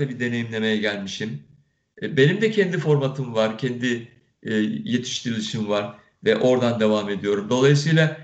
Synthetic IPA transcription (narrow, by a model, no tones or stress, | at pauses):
abid̪e̞ne̞jimlʲe̞me̞jɛɟælʲmiʃim | be̞nimd̪ɛcʰɛnd̪ifo̞ɾmat̪ʰɯmvaɾcʰɛnd̪i | je̞t̪ʰi̥ʃt̪ʰiɾilʲiʃimvaɾ̥ | vɛʔo̞ɾd̪and̪e̞vame̞d̪ijo̞ɾumd̪o̞lˠajis̬ɯjlˠa